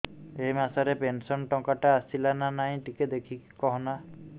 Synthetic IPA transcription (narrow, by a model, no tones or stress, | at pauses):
ejmasaɾepensɔnʈɔkaʈaasilananaɦj̃ʈiked̪ekʰikkɔɦɔna